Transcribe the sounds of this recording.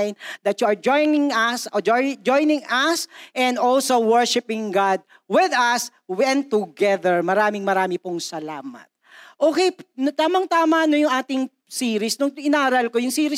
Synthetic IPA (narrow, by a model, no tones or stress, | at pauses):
jnd̪ɐt̪jʊɐɹd͡ʒojnɪŋɐsd͡ʒd͡ʒojnɪ̃ŋɐsʔɛnd̪olsowɛɹʃɪpɪŋɡad̪̚ | wɪðɐs | wɛnt̪ʊɡɛðɛɹmɐɾaːmɪŋmɐɾaːmɪpʊŋsɐlaːmɐ̰t̪̚ʔoːkɛjpnt̪aːmɐŋt̪aːmɐʔnojʊŋʔaːt̪ɪŋ | siːɾɪsnʊŋɪnaːɾɐlkojʊŋsiːɾɪ